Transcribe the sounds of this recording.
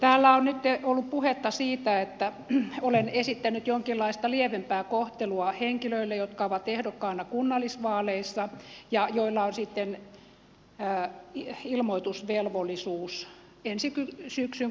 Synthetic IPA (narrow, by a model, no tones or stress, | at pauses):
t̪æːlːæonnyt̪ːeolːuppuhet̪ːɑsiːt̪æet̪ːæ | olenesit̪ːænyt̪joŋkilːɑist̪ɑlieʋempæːkoht̪eluɑheŋkiløilːejot̪kɑoʋɑt̪ehdokːɑnːɑkunːɑlːˑisʋɑːleisːɑjɑjoilːɑonsit̪ːen | iilmoit̪usʋelʋolːˑisuːs | ensikysyksyŋ